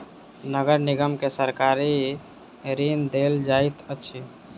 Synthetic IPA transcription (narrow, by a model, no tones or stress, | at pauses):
nəɡəɾniɡəmkesəɾkaɾi | ɾind̪eld͡ʒajt̪ət͡ʃʰi